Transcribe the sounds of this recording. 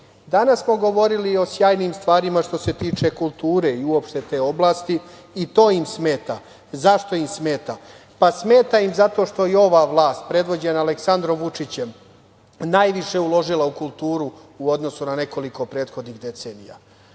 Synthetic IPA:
d̪anasːmoɡo̞ʋo̞ɾilio̞sjaːjniːmst̪ʋaːɾimaʃt̪o̞se̞t̪iːt͡ʂe̞kulˠt̪uːɾe̞iuopʃt̪e̞t̪e̞ːo̞blˠast̪iː | t̪o̞ːimsmeːt̪a | zaʃt̪o̞imsme̞ːt̪a | pasme̞ːt̪aimzat̪o̞ʃt̪o̞jeo̞ʋaʋlˠaːst̪̚pɾe̞d̪ʋo̞d͡ʑe̞naːleksand̪ɾo̞mʋut͡ʂit͡ɕem | naːjʋiʃe̞ulo̞ʒilˠaukulˠt̪uːɾuuo̞d̪no̞sunane̞ko̞liko̞pɾe̞ːt̪xo̞d̪niɣd̪e̞t̪seːnḭja̰

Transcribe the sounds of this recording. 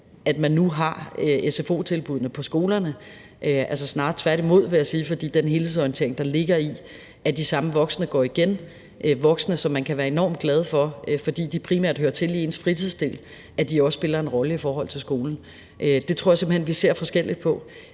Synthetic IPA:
ʔæd̥mænːuɦɑ̈ʔesefo̝̰ːt͡sʰe̝lb̥uð̞̰ˠnəpʰɒ̽sɡ̥o̝ːlɐnə | ʔʔælsə̽snɑ̥̈ːt͡sʰʋæɐɾimo̝ð̞̰ˠʋe̝jæsiːfɒd̥ḭːd̥enɦe̝ːlheið̩ˠsɒiənt͡sʰe̝ɐ̰eŋd̥ɑ̈le̝ɡ̥ɐi | ʔæd̥isɑ̈məʋɒ̽ɡ̥snəɡ̥ɒ̰ːiɡ̥en | ʔʋɒ̽ɡ̥sənəsɒ̽mːænkʰæʋæːɐe̝nɒ̰ːmd̥ɡ̥lɛð̞ˠfɒ̽fɒ̽d̥ḭːd̥ipʰʁimæɐ̰d̥høɐt͡sʰe̝lie̝nsfʁit͡sʰiðˠsd̥e̝̰ːl | ʔæd̥iɒ̽sə̥sb̥e̝lɐe̝nʁɒ̽ləifɒːɦɒ̽l̰t͡sʰe̝lsɡ̥o̝ːln̩ | ʔød̥e̝t͡sʰʁo̝ɐɑsemb̥l̩henʋise̝ɐ̰fɒ̽sɡ̥el̰id̥̚pʰɒ̽

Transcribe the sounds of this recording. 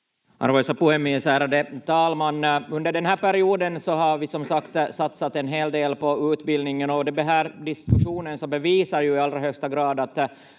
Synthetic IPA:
ɑ̰ɾvɛːsapɔɛmɪsæːɾad̪ɛt̪ʰɑːlmanːɵnd̪əɖɛnɦæːɾpæɾɪuːd̪ənsɔɦaɾvɪsɔmsakt̪sat̪sat̪ɛnɦeːld̪eːlpɔʉːt̪bɪld̪nɪŋənɔd̪ɛbɛɦæːɾɖɪskʉʂuːnənsɔbɛviːsaɾjɵɪɑlːɾaɦœkst̪aɡɾɑːd̪at̪

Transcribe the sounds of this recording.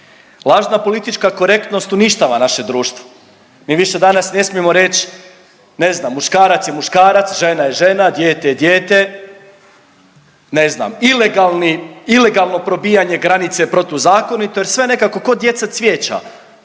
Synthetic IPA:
lˠaːʒnapo̞lit̪it͡ʃkako̞ɾe̞kt̪no̞st̪uniʃt̪aːʋanaʃe̞d̪ɾuːʃt̪ʋo | miːʋiʃe̞d̪anasne̞smiemo̞ɾe̞t͡ɕ | ne̞znamːuʃkaːɾat̪sjemuʃkaːɾat̪sʒe̞najeʒe̞nad̪jeːt̪ejed̪jeːt̪e̞ | ne̞zna̰mileɡalˠniile̞ɡalˠno̞pɾo̞bijaɲe̞ɡɾanit̪se̞pɾo̞t̪uzaːko̞nit̪ojeɾsʋe̞ne̞kako̞ko̞d̪je̞t̪sasʋʲjeːt͡ɕa̰

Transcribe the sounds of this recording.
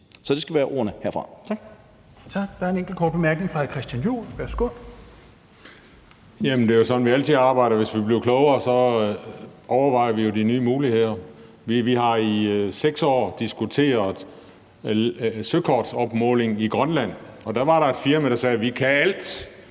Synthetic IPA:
sɒd̥esɡ̥æʋiʋæːɐʔo̝ːɐnəheɐ̰fʁɑ̈ɡ̥ | t͡sʰɑ̈ɡ̥̚d̥ɑ̈æɐe̝neŋɡ̥l̩kʰɒ̰ːd̥̚b̥emæɐɡ̥ne̝ŋfʁɑkʰʁɛsd̥jænjṵːlʋæɐsɡ̥oð | jæmn̩d̥e̝josɒ̽nn̩ʋiæl̰t͡sʰiðˠɑ̈ːb̥ɑ̈ɪ̰ɾɐʋe̝sʋib̥le̝ʊkʰlɔʊɐːsɒ̽ | ʔɒʊɐʋɑ̈ɪ̰ɐʋijo̝dinyːmuːlihe̝ð̰ˠɐ | ʋiʋiɦɑ̈iseɡ̥sɒ̰ːd̥isɡ̥ut͡sʰe̝̰ːɐðˠ | søkʰɒːd̥sɒ̽b̥mɔ̽ːle̝ŋiɡ̥ʁɶnlæn̰ɒ̽d̥æʋɑ̈ɾɑ̈e̝d̥fiɐmæɾ̥ɑ̈sɛːʋikʰææl̰d̥

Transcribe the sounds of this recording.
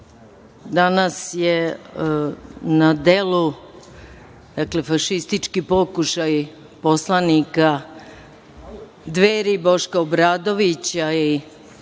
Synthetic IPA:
d̪anasje | nad̪e̞lu | d̪̥akle̞faʃist̪it͡ʃkipokuʃaj | po̞slˠanika | d̪ʋeːɾibo̞ʃkaobɾaːd̪o̞ʋit͡ɕai

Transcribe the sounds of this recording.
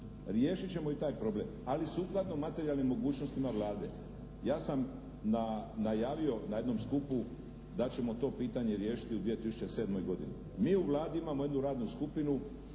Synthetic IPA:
ɾjeːʃit͡ɕe̞mo̞it̪aːjpɾo̞ble̞̰malisuklat̪nomat̪e̞ɾialnimːo̞ɡuːt͡ʃno̞st̪imaʋlaːd̪e̞ | jaːsam | nanajaːʋio̞naje̞d̪no̞mskupu | d̪at͡ɕe̞mo̞t̪o̞ːpiːt̪aɲe̞ɾjeːʃi̥t̪iud̪ʋijet̪isu̥t͡ʃe̞se̞ːd̪mo̞jɡo̞d̪ini | miːuʋlˠaːd̪iimamoe̞d̪nuɾaːd̪nuskupinu

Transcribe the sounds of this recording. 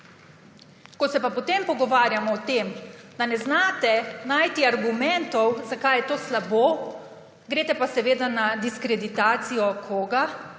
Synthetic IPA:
kɔt̪sɛpapɔt̪empɔɡɔʋaːɾjamɔːt̪eːmd̪anɛznaːt̪ɛnaːjt̪iaɾɡumɛnt̪ɔwzakajɛt̪oːslaboː | ɡɾeːt̪ɛpasɛʋeːd̪anad̪iskɾɛd̪it̪aːt̪sijɔkʰɔːɡa

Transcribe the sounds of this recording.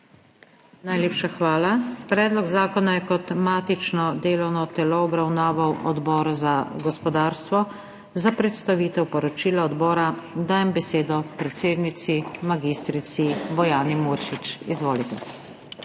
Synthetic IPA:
najleːpʃaxʋaːlapɾɛːd̪lɔɡzaːkɔnajɛkɔt̪maːt̪it͡ʃnɔd̪eːlɔwnɔt̪ɛlɔɔbɾawnaːʋawʔɔ̰d̪bɔːɾazaɡɔspɔd̪aːɾst̪ʋɔ | zapɾɛt̪st̪aʋiːt̪ɛwpɔɾɔt͡ʃiːlaɔd̪bɔːɾad̪aːjɛmbɛseːd̪ɔpɾɛt̪seːd̪nit̪simaɡist̪ɾit̪sibɔjaːnimuɾʃit͡ʃizʋoːlit̪ɛ

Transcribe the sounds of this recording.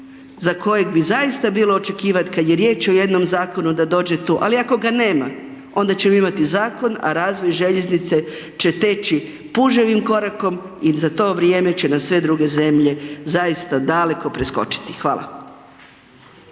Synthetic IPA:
zako̞je̞ɡbizaist̪abiːlo̞ːt͡ʃe̞kiːʋat̪kad̪je̞ɾje̞ːt͡ʃo̞je̞d̪no̞mzaːko̞nud̪ad̪o̞ːd͡ʑe̞t̪uːʔaliako̞ɡane̞ːma | o̞nd̪at͡ɕe̞moimat̪izaːko̞na̰ɾaːzʋo̞jʒeʎe̞znit̪se̞ | t͡ʃe̞t̪e̞t͡ʃi | puʒeʋimko̞ɾako̞m | izat̪o̞ːʋɾjeme̞t͡ɕe̞namsʋe̞d̪ɾuɡe̞ze̞mʎe̞zajist̪ad̪ale̞ko̞pɾesko̞̰t͡ʃi̥t̪i̥xʋa̰ːlˠa̰

